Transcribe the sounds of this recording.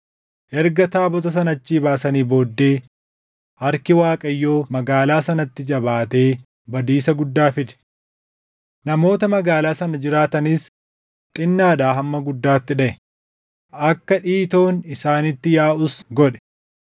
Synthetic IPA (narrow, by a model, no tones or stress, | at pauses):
ʔɛɾɡɐt̪aːbɔt̪ɐs̬ɐnɐt͡ʃːiːbaːsɐniːbo̞ːd̪ːeː | ʔɐɾkɪwaːkʼɐjːo̞ːmɐɡaːlaːsɐnɐt̪ːɪd͡ʒɐbaːt̪e̞ː | bɐd̪iːsɐɡʊd̪ːaːfɪd̪ɛ̥ | nɐmo̞ːt̪ɐmɐɡaːlaːsɐnɐd͡ʒɪɾaːt̪ɐnɪs | t̪ʼɪnːaːd̪aːɦɐmːɐɡʊd̪ːaːt̪ːɪᶑɐʔɛ | ʔɐkːɐᶑiːt̪o̞ːnɪsaːnɪt̪ːɪjaːʔʊsɡɔᶑɛ̥